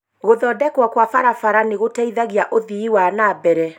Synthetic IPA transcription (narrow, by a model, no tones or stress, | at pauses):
ɣoðɔːdɛkwakwafaɾafaɾaneɣotɛiðaɣiaʔoðiiwanabɛɾɛ